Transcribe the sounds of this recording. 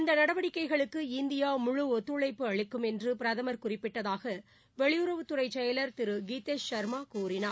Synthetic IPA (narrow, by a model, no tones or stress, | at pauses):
ɪnd̪ɐnɐɽɐʋɐɽɪkːɐɪɣɐɭɯkːɯɪnd̪ɪjaːmʊɻʊɔt̪ːɯɭɐɪpːɯɐɭɪkːɯmɛndrɯpɪɾɐðɐmɐɾkʊrɪpːɪʈːɐðaːɣɐ | ʋɛɭɪjʊɾɐʋɯt̪ːɯrɐɪt͡ʃːɐjɐlɐɾt̪ɪɾɯɡiːt̪ːeːsʃɐɾmaːkuːɾɪnɐ